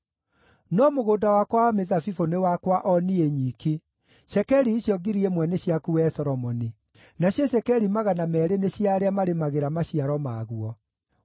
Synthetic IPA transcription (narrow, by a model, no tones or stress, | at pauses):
nɔmoɣoːdawakwameðafifonewakwaʔɔnieɲiːki | ʃɛkɛɾiːɕjɔɡiɾiemwɛneɕjakuɛsɔɾɔmɔni | naɕjɔɕɛkɛɾimaɣanamɛɾeneɕjaɾeamaɾemaɣeɾamaɕiaɾɔmaɣuɔ